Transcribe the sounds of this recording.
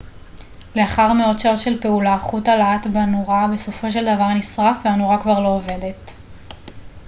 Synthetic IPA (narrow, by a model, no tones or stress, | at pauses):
le̞aχaʁmeo̞dʃao̞tʃe̞lpe̞ulaχutalaatbanuʁabe̞so̞fo̞ʃe̞ld̪avaʁnisʁafveanuʁakvaʁlo̞ːve̞de̞t